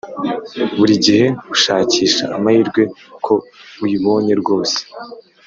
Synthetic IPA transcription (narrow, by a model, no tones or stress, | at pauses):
βuɾiɟihe̞ɡuʃaːciːʃa̰ʔːmahiɾɡwe̞kʰo̞ujiβo̞ɲe̞ɾɡo̞ːse̥